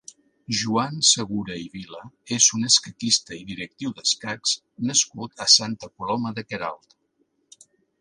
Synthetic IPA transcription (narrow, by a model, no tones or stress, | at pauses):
ʒuansəɣuɾəiβiləezunəskət̪ist̪əiðiɾək̚t̪iwðəskaks | nəskut̪ʰəsant̪əkulɔməðəkəɾa̰lˠt̪